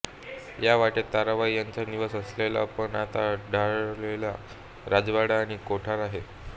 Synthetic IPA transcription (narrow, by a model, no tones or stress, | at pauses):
jaʋaʈet̪aɾaʋajaɲt͡ɕaniʋəsəslela̰pəɳat̪aɖʱalela | ɾad͡zʋaɽaːɽ̃ikoʈʰaɾaɦe